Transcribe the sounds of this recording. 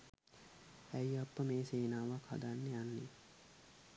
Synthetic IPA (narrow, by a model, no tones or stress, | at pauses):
æjapːəmeːseːnaːʋakha̰d̪anːeanːe